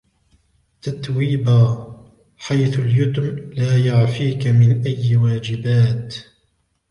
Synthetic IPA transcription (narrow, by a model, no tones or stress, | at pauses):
t̪at̪wiːbaː | ħajθʊljʊt̪mlaːjaʕfiːkamɪnʔajwaːd͡ʒɪbaːt̪